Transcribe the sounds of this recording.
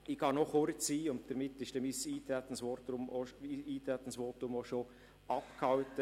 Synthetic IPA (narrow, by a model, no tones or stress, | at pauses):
ikɑnɔχoɾt͡siːʊnt̚d̥əɾmɪt̪ːɪʃd̥ɛmisiːt̪ɾæt̪ən̩sʋotɾʊmoiiːt̪ɾæt̪ən̩sʋoːtʊmoʃo | ɑpkʰhɑʊtə